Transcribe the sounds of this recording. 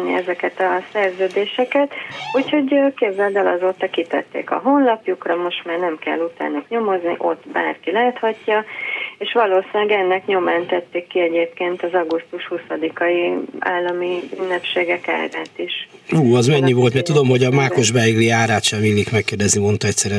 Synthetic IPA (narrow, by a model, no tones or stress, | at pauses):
nːḭɛzɛkɛt̪ɒsɛrzøːd̪eːʃɛkɛt̪ucho̞ɟkebzɛld̪ɛlɒ̰zoːt̪ɒkit̪ɛ̰t̪ːḛːkɒ̰ɦo̞nlɒpjukrɒmo̞ʃt̪maːrnɛmkɛ̰lːut̪a̰lnɒkɲo̞mo̞znḭʔo̞t̪ːba̰ːrkilaːt̪hɒcːɒeːʃʋɒloːsinɛɡɛnːɛkɲo̞maːnt̪ɛt̪ːeːkːiɛɟeːp̚keːnt̪ɒzɒɡust̪uʃhusɒd̪ikɒia̰ːlːɒmiynːɛpʃeːɡɛka̰ːɾaːt̪iʃ | uːɒzmɛɲːivo̞ːlt̪mɛt̪ud̪o̞mho̞ɟɒmaːkoʒbɛjɡliaːɾaːt̪ʃɛmilːikmɛkːeːrd̪ɛznimo̞nt̪ɒɛcsɛɾɛ